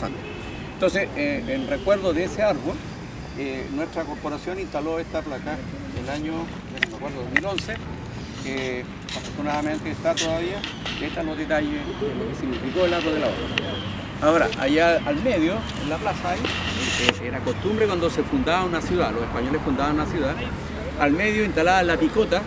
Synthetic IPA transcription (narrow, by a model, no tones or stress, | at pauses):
sa̰nt̪o | ent̪onseseenrekwe̞ɾðoðeeseaɾβol | enwe̞htɾako̞ɾpoɾasjo̞ninst̪aloest̪aplaka | elaɲo | menomakweɾðoðomilo̞nse | e | afoɾt̪unaðament̪eːst̪at̪oðaðia | eht̪aloðet̪ajeelokesiɣnifikoelaɾoðelao̰ɾa̰ | aoɾa̰ʔa̰jaalme̞ðjo | elːaplasaajeeɾako̞st̪umbɾekwand̪osefund̪aβaunasjuðalo̞sehpaɲo̞lefund̪aβanunasjuða | almeðjoint̪alaðalːapikot̪a